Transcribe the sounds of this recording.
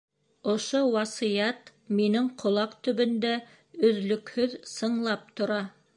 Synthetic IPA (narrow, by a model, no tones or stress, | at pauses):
ŏʃowɑsijɑt̪minɘŋqʰŏlˠɑqt̪ɵ̆βɵ̆nd̪æ | ɵ̆ðlɵ̆khɵðsɤ̆ɴlˠɑp̚t̪ŏɾɑ